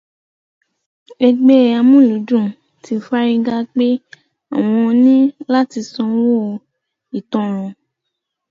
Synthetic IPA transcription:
e˧ɡ͡be˦˨a˧mũ˦˨lu˨˦d͡ʒũ˦˨ | tʰi˧fa˦ɾi˧ɡa˦k͡pe˦ | a̰˦˨w̃ɔ̃˧nĩ˦la˦ti˧sɔ̃˧wo˦˧ | i˨tɔ̃˧˨ɾ̃ɔ̃˨

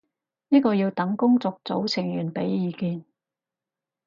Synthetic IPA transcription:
niː˥kɔː˧jiː˧wt̪ɐ˨˥ŋkʊ˥ŋt͡sɔː˧k̚t͡so̰˨˥wt͡sʰɪ˨˩ŋjyː˨˩npe˨˥jjiː˨˧kiː˧n

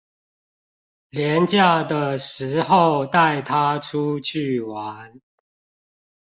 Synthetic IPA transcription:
ljɛ˨˦nt͡ɕja˥˨d̪ə˨ʂɻ̩˨˦xo˥˨ʊt̪a˥˨ɪt̪ʰa˦ʈ͡ʂʰu˦t͡ɕʰy˥˨wa˨˦n

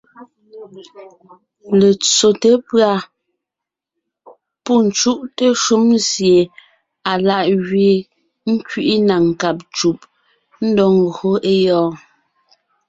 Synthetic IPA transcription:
le˨t͡so˨te˦pɰa˦˨ | pu˦˨n̩˨t͡ʃu˦ʔte˦ʃu˦mzje˨ | a˨la˨ʔɣɥe˨ | ŋ̩˦kɥi˦ʔi˦na˨ŋ̩˨ka˨p̚t͡ʃu˨p̚ | n̩˦dɔ˦ŋ̩˨ɡho˦ʔe˦jɔː˦

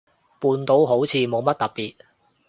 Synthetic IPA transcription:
puː˨˧nt̪o˨˧˥wɦo˨˥wt͡sʰiː˨˧mo˨˧wmɐ˥t̚t̪ɐ˨t̚piː˨t̚

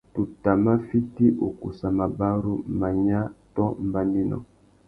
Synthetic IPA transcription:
tu˨ta˨ma˦fi˦ti˦ʔo˨ku˨sa˨ma˨ba˦ɾu˦m̩˨ma˨ɲa˦tɔ˦m˦ba˦ni˦nɔ̰˨

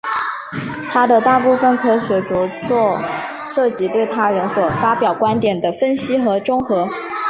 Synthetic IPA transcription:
t̪ʰa˥d̪ə˨t̪a˥˧pu˥˩fə˨˩nkʰɤ˥ɕɥɛ˧˥ʈ͡ʂu˧˥t͡swɔ˥˧ | ʂɤ˥˩t͡ɕi˧˥t̪we˥˩ɪt̪ʰa˥ɻə˧˥nswɔ˨˩fa˥pjɑ˨˩ʊkwa˥nt̪jɛ˨˩nd̪ə˦fə˥nɕi˥xɤ˧˥ʈ͡ʂʊ˥ŋxɤ˧˥

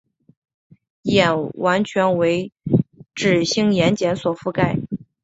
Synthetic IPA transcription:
jɛ˨˩nwa˧˥nt͡ɕʰɥɛ˧˥nwe˧˥ɪ | ʈ͡ʂɻ̩˨˩ɕi˥ŋjɛ˧˥nt͡ɕjɛ˧˥nswɔ˨˩fu˥˧ka˥˩ɪ

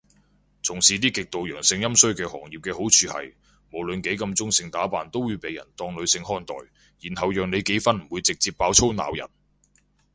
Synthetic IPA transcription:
t͡sʰʊ˨˩ŋsiː˨˧t̪iː˥kɪ˨k̚t̪o˨wjœː˨˩ŋsɪ˧ŋjɐ˥msɵ˥ɥkɛː˧hɔː˨˩ŋjiː˨˩p̚kɛː˧ho˨˥wt͡sʰyː˨˧hɐ̰˨j | mo˨˩wlɵ˨nke˨˥jkɐ˧mt͡sʊ˥ŋsɪ˧ŋt̪aː˨˥paː˨nt̪o˥wuː˨˧jpe˨˧jɐ̰˨˩nt̪ɔː˧ŋlɵ˨˧ɥsɪ˧ŋɦɔː˥nt̪ɔ̰ː˨j | jiː˨˩nhɐ˨wjœː˨ŋne˨˧jke˨˥jfɐ˥nm̩˨˩wuː˨˧jt͡sɪ˨k̚t͡siː˧pːaː˧wt͡sʰo˥wna̰ː˨wjɐ̰˨˩n

